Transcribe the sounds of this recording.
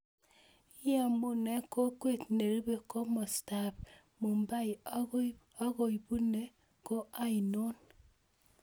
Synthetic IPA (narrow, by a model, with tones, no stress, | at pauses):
i˦ja˦˨mu˦ne˦ko˦kwe˦tne˨ɾi˦βe˦˨ko˦mo˨sta˦˨p | mo˨mba˦i˨ | a˦ɣo˨i˨bu˦ne˦ | ko˦ʔa˦i˨no˦n